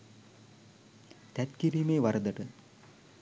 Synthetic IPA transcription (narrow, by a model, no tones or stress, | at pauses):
t̪ɛt̪kiɾimeːʋɐɾɐd̪ɐʈɨ